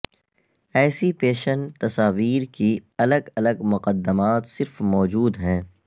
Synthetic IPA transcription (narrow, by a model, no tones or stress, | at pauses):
ɛːsipeːʃənt̪ɐsaːʋiːɾkiɐləɡɐləɡmʊqəd̪ːəmaːt̪sɪɾfmɔːd͡ʒuːd̪ɦɛ̃ː